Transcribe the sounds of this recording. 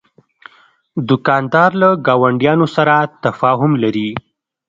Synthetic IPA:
d̪ʊkɑnd̪ɑɾlaɡɑwaɳɖjɑnosaɾat̪afɑɦʊmlaɾi

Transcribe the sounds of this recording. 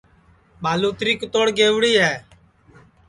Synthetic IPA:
ɓaːluːt̪ɾiːkt̪oːɽɡeːʋɽiːɦɛː

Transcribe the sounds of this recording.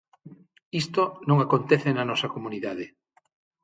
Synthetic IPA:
ist̪onõŋakont̪eθenɐnɔsɐkomuniðaðɪ

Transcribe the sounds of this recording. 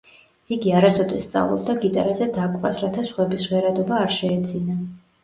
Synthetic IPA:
iɡiaɾasɔd̪ɛ̰st̪sʼa̰vlˠɔ̰b̚d̪aɡit̪ʼaɾazɛd̪akʼva̰sɾat̪ʰasχwɛbisʁwɛɾad̪ɔbaːɾʃɛːd̪zina

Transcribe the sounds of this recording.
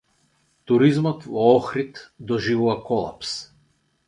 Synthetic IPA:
t̪uɾizmɔt̪vɔɔxɾit̪d̪ɔʒivuvakɔlˠa̰ps

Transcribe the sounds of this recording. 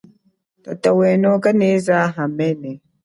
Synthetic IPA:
tatawɛnɔkənezaɦamɛnɛ

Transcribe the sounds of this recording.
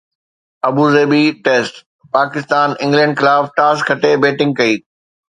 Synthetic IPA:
ɐbuːzeːbiʈeːsʈ | paːkɪst̪aːnɪ̃ŋɡlɛ̃ːɳɖxɪlaːfʈaːskʰɐʈebeːʈɪ̃ŋɡ̚kɐiː

